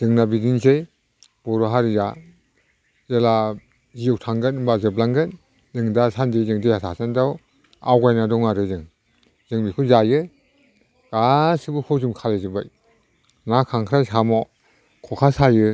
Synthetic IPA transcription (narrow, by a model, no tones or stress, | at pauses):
z̥ɯŋnabidinzej | b̥ɔɾɔɦaɾiza | zela | zijɔw̚tʰaŋɡɯnbazɯblaŋɡɯn | zɯŋdasandijzɯŋdejatʰasandaw | a̰wɡajnadɔŋaɾɯzɯŋ | zɯŋbikʰɯzajɯ | ɡ̥asɯbɯkʰɔzɯmkʰalezɯbaj | nakʰaŋkʰɾasamɔ | kʰɔkʰasajɯ